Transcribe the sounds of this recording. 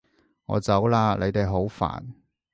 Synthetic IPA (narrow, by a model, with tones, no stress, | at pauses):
ŋɔ̰ː˨˧t͡sɐ˨˥wlaː˧le˨˧jt̪e˨jɦo˨˥wfa̰ː˨˩n